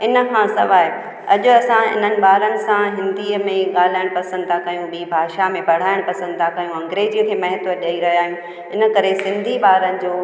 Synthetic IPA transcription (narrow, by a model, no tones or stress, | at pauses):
ɪnə̆kʰãsɐ̰ʋaːɦe | ɐʄʊɐsãɪ̰n̤ənɪ̆ɓaːɾənɪ̆sãɦɪ̃nd̪iːəmẽɠaːl̤aːɪɽ̃pɐsə̃nd̪t̪ʰakɐjũɓiːbʱaːʃamẽpɐɽ̤aːɪɽ̃pɐsə̃nd̪t̪ʰakɐjũɐ̃ŋɡɾeːd͡ʑiəkʰeːmɐɦɪt̪əɗɐiɾɐɦijaːɦjũ | ɪnə̆kɐɾesɪ̃nd̪ʱiɓaːɾənɪ̆d͡ʑoː